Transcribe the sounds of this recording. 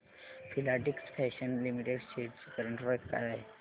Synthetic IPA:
fʰilaʈiksfʰɛɕənlimiʈeɽseʈt͡skəɾəɳʈɾɔjkka̰ɾa

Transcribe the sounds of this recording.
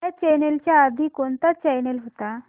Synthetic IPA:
at͡ɕɛnelt͡ɕjaːd̪ʱikont̪at͡ɕɛjnelɦot̪a

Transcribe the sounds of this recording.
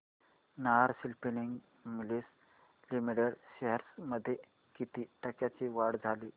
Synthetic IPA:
naɾsilpiniŋɡ | milis | limiɽeɽɕeɦəɾsməd̪ʱːje | kit̪iːʈəkjat͡ɕiʋaɽd͡zʱaliː

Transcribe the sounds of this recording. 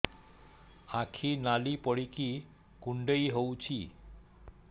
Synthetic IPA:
akʰinalipɔɽiki | kuɳɖejɦowt͡ɕʰi

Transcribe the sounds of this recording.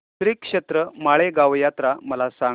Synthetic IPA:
t̪ɾikʂet̪ɾəmaɭeɡaʋjat̪ɾaməlasã

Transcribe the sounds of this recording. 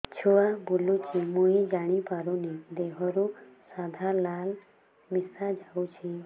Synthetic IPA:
t͡ʃʰoabulut͡ʃʰimoid͡ʒaɽ̃ipaɾuned̪eɦɔɾusad̪ʱalal | misad͡ʒaut͡ʃʰi

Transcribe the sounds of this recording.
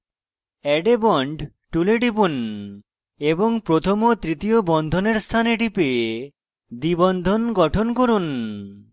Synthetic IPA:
ɛɖebɔɳɖ | ʈuleɖipun | eboŋpɾot̪ʰomot̪ɾit̪ijobɔnd̪ʱoneɾst̪ʰaneʈipe | d̪ibɔnd̪ʱonɡɔʈʰonkoɾun

